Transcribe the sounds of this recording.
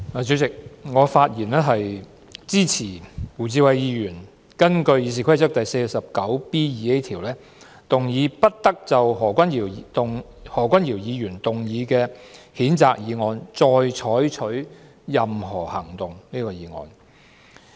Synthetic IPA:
aː˨˩t͡sy˨˥t͡sɪ˨k̚ŋɔː˨˧faː˧t̚jiː˨˩nɛː˥ɦɐ˨j | t͡siː˥t͡sʰiː˨˩wuː˨˩t͡siː˧wɐ˨jjiː˨˧jyː˨˩n | kɐ˥nkɵ˧ɥjiː˨˧s̬iː˨kʰɐ˥jt͡sɐ˥k̚t̪ɐ˨jse˧jsɐ˨p̚kɐ˨˥wpiː˥jiː˨˧e˥jt̪ʰiː˨˩wlɛː˥ | t̪ʊ˨ŋjiː˨˧pɐ˥t̚t̪ɐ˥k̚t͡sɐ˨wɦɔː˨˩kʷɐ˥ni˨˩˨t̪ʊ˨ŋ | hɔː˨˩kʷɐ˥njiː˨˩wjiː˨˧jyː˨˩nt̪ʊ˨ŋjiː˨˧kɛː˧hiː˨˥nt͡sa̰ː˨˧k̚jiː˨˧ŋɔː˧nt͡sɔː˧jt͡ʃʰɔː˨˥jt͡ʃʰɵ˨˥ɥ | jɐ˨mɦɔː˨˩hɐ˨˩ŋt̪ʊ˨ŋniː˥kɔː˧jiː˨˧ŋɔ̰ː˨˧n

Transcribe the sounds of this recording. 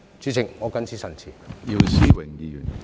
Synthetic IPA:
t͡siː˨˧t͡sʰɪ˨˩ŋːɔː˨˧kɐ˥nt͡sʰiː˥sɐ˨˩nt͡sʰiː˨˩ji˧wsiː˥wɪ˨˩ŋji˧jy̰˨˩n

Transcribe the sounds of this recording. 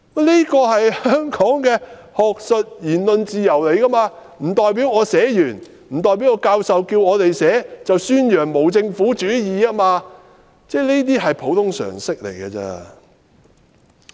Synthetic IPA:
mɛ˥˧ni˥kɔː˧ɦɐ˨jhœː˥ŋkʰɔː˨˥ŋkɛː˧ | hɔː˨k̚sɵ˨t̚jiː˨˩nlɵ˨nt͡siː˨jɐ˨˩wle˨˩jkɐ˥maː˧m̩˨˩t̪ɔː˨˧jp̬iː˨˥wɔː˨˧sɛː˨˥jyː˨˩n | m̩ː˨˩t̪̬ɔː˨jp̬i˨˥wŋɔː˧˥kaː˧wsɐ˨wkiː˧wɔː˨˧t̪e˨jsɛː˨˥t͡sɐ˨wsyː˥njœː˨˩ŋmo˨˩wt͡sɪ˧ŋfuː˨˥t͡ʃyː˨˥jiː˨˧aː˥maː˧ | t͡sɛː˥ni˥t̪̬iː˥ɦɐ˨jpʰo˨˥wt̪ʰʊ˥ŋsœ̰ː˨˩ŋsɪ˥k̚lḛ˨˩jkɐː˧t͡sɛ̰ː˧

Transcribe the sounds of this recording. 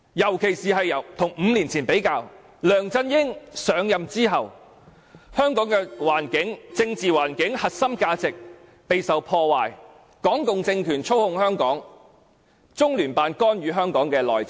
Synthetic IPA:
jɐ˨˩wkʰe˨˩jsiː˨ɦɐ˨jɐ˨˩wt̪ʰʊ˨˩ŋm̩ː˨˧liː˨˩nt͡sʰiː˨˩npe˨˥jkaː˧w | lœː˨˩ŋt͡sɐ˧njɪ˥ŋsœː˨˧ŋjɐ˨mt͡siː˥ɦɐ˨w | hœː˥ŋkɔː˨˥ŋkɛː˧waː˨˩nkɪ˨˥ŋt͡sɪ˧ŋt͡siː˨waː˨˩nkɪ˨˥ŋhɐ˨t̚sɐ˥mkaː˧t͡sɪ˨k̚pe˨jsɐ˨wpʰɔː˧waː˨˩j | kɔː˨˥ŋkʊ˨ŋt͡sɪ˧ŋkʰyː˨˩nt͡ʃʰo˥whʊ˨˧ŋhœː˥ŋkɔː˨˥ŋ | t͡sʊ˥ŋlyː˨˩npaː˨nkɔː˥nɥyː˨˧ɦœː˥ŋkɔː˨˥ŋkɛː˧lɔ̰ː˨j

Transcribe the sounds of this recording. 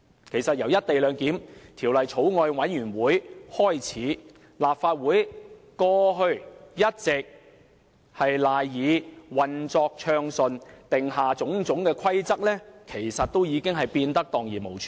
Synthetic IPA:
kʰe˨˩jsɐ˨t̚jɐ˨˩wjɐ˥t̚t̪e˨jlœː˨˧ŋkiː˨˥mt̪ʰiː˨˩wlɐ˨jt͡sʰo˨˥wŋɔː˧jwɐ˨˥njyː˨˩nwuː˨˥jhɔː˥jt͡sʰiː˨˥ | laː˨p̚faː˧t̚wuː˨˥jkɔː˧ɦɵ˧ɥjɐ˥t̚t͡sɪ˨k̚ | hɐ˨jlaː˨jjiː˨˧wɐ˨˩nt͡sɔː˧k̚t͡ʃʰœː˧ŋsɵ˨nt̪ɪ˨ŋɦaː˨t͡sʊ˨˥ŋt͡sʊ˨˥ŋkɛː˧kʷʰɐ˥jt͡sɐ˥k̚lɛː˥kʰe˨˩jsɐ˨t̚t̪o˥wjiː˨˧kɪ˥ŋɦɐ˨jpiː˧nt̪ɐ˥k̚t̪ɔː˨ŋjiː˨˩mo˨˩wt͡ʃʰː

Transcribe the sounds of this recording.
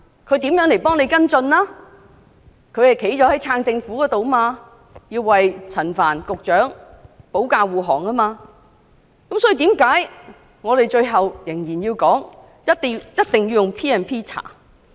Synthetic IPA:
kʰɵ˨˧ɥt̪iː˨˥mjœː˨˥ŋle˨˩jpɔː˥ŋne˨˧jkɐ˥nt͡sɵ˧nlaː˥ | kʰɵ˧ɥhɐ˨jkʰe˨˥jt͡ʃɔː˨˥hɐ˨˥jt͡sʰaː˧ŋt͡sɪ˧ŋfuː˨˥kɔː˨˥t̪o˨wmaː˧ | jiː˧wːɐ˨jt͡sʰɐ˨˩nfa̰ː˨˩nkʊ˨k̚t͡ʃœː˨˥ŋpo˨˥wkaː˧wuː˨˩ɦɔː˨˩ŋɐ˥maː˧ | kɐ˨˥msɔː˨˥iː˨˧t̪iː˨˥mkaː˨˥j | ŋɔː˨˧t̪e˨jt͡ʃɵ˧ɥɦɐ˨wjɪ˨˩ŋjiː˨˩njiː˧wkɔː˨˥ŋ | jɐ˥t̚t̪jɐ˥t̚t̪ɪ˨ŋjiː˧wjʊ˨˩ŋpʰiː˥ɛː˨˧npʰiː˥t͡sʰa̰ː˨˩

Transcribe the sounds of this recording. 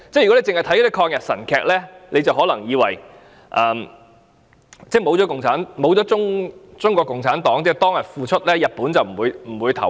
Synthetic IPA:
t͡sɛ˥jkɔ˨˥e˨˧t͡sɪ˨ŋhɐ˨jt̪ʰkɔː˨˧˥i˥kʰɔː˧ŋjɐ˨t̚sɐ̰˨˩nkʰɛː˨˧k̚lɛː˥lʔe˨˧jt͡sɐ˨wɦɔː˨˥lɐ˨˩ŋjiː˨˧wɐ̰˨˩j | ʔɐː˨m | t͡sɛː˥˩mo˨˧wt͡sɔ˨˧˥kʊ˨ŋt͡sʰaː˨˥nmo˨˥wt͡sɔː˨˥t͡sʊ˥ŋt͡sʊ˥ŋkʷɔː˧kʊ˨ŋt͡sʰaː˨˥nt̪ɔː˨˥ŋt͡sɛː˥˩t̪ɔː˥ŋjɐ˨t̚fuː˨˧t͡ʃʰɵ˥t̚lɛː˥jɐ˨t̚puː˨˥nt͡sɐ˨wm̩˨˩uː˨˧jm̩˨˩wuː˨˧jt̪ʰɐ̰˨˩

